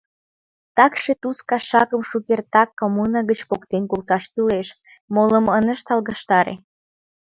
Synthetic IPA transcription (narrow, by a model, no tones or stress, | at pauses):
t̪ɑkʃet̪uskɑʃɑkəmʃukert̪ɑkːomunɑɡɣət͡ɕpokt̪enkult̪ɑʃkyleʃ | moləmənəʃt̪ɑlɣɑʃt̪ɑɾḛ